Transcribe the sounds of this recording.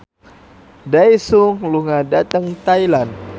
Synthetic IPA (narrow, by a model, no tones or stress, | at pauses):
dajsuŋluŋadat̪əŋt̪ajlan